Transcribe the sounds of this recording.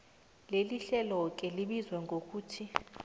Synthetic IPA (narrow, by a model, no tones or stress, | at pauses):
leliɬɛlɔk̬ʼɛliɓizwɛŋɡʱok̬ʰʼuːtʰi